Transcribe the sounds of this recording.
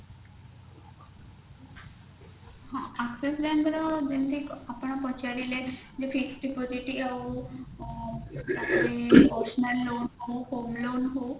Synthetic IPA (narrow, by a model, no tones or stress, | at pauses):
hãakseslanɡ̪ɾəd͡ʑent̪ʰikapəɳpɔt͡ɕaɾile | d͡zefiksɖipɔd͡ziʈiau | aiɔsnəlːonɦaohomlonɦo